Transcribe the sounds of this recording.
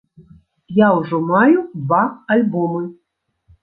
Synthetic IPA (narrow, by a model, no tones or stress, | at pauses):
jawʐɔmajud̪vaalʲbɔmɨ